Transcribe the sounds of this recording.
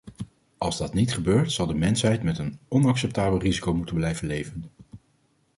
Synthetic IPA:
ɑlˠzdɑtnitχəbøːɹtsɑlˠdəmɛnsɦɛjtmɛtənɔnɑksɛp̚taːbəlˠrizikowmutənblɛjvənlejvən

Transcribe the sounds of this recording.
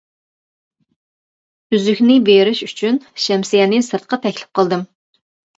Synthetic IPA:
yzykʲnɪbeɾɪʃy̥t͡ʃʰynʃɛmsijɛnɪsɨɾt̪̚qʰɑt̪ʰɛkʲlɪ̥p̚qʰəlˠd̪ɨm

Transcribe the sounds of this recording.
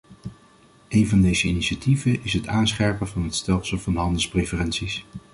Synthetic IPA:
ʔejnvɑndejzəiniʃativənɪsɦətaːnsχɛɹpəvɑnɦətstɛlˠsəlˠvɑnɦɑndəlˠsprefərɛnsis

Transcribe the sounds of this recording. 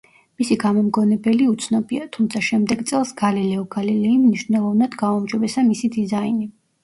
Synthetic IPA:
misiɡamɔmɡɔnɛbɛliut̪sʰnɔbiat̪ʰumt̪sʰaʃɛmd̪ɛɡt̪sʼɛlˠsɡ̥alilɛɔɡalilɛimniʃnɛlˠɔvnad̪ɡaɔmd͡ʒɔbɛsamisid̪izaini

